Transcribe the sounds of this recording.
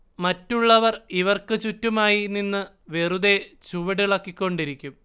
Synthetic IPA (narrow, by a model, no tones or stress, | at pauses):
mɐtːuɭːɐʋɐriʋɐrkɨt͡ɕutːumaːjininːɨ | ʋe̞rud̪et͡ɕuʋɐɽiɭɐkːikʲːo̞ɳɖiɾikʲːum